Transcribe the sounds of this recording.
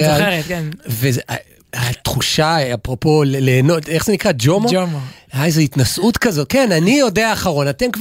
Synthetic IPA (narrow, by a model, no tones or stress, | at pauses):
aeʁekenve | at̪χuʃaapʁopo̞lleːnoteχz̥e̞nikʁad͡ʒomaomjajzeitnasʔutkazo̞t̚kenanijo̞deaːχaʁo̞natenkv